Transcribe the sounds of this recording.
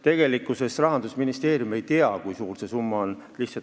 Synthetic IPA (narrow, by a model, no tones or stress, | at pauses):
t̪e̞ɡ̥e̞likːˑuse̞srɑɦɑnd̪usminist̪e̞ːɾjume̞jt̪eɑkujsuːrse̞sumːɑonliht̪sɑ